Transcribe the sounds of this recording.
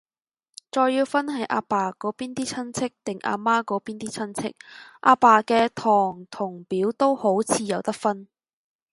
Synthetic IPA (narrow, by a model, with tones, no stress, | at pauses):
t͡sɔː˧jːiː˧wfɐ˥nɦɐ˨˥jʔa̰ː˧paː˨˩kɔː˨˥piː˥nt̪iː˥t͡sʰɐ˥nt͡sʰɪ˥k̚t̪ɪ˨ŋʔa̰ː˧maː˥kɔː˨˥piː˥nt̪iː˥t͡sʰɐ˥nt͡sʰɪ̰˥k̚ʔa̰ː˧paː˨˩kɛː˧t̪ʰɔː˨˩ŋt̪ʰʊ˨˩ŋpiː˨˥wt̪o˥who˨˥wt͡sʰiː˨˧jɐ˨˧wt̪ɐ˥k̚fɐ˥n